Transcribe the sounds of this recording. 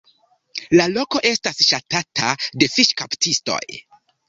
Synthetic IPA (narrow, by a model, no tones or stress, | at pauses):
lalo̞ko̞ʔe̞stasʃatatʰade̞fiʃkaptisto̞̰j